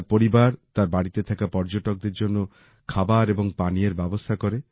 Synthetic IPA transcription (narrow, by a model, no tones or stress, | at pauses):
ɾpoɾibaɾt̪aɾbaɽit̪et̪ʰakapɔɾd͡ʒoʈɔk̚d̪eɾd͡ʒonːo | kʰabaɾebɔŋpanieɾbɛbost̪ʰakɔɾe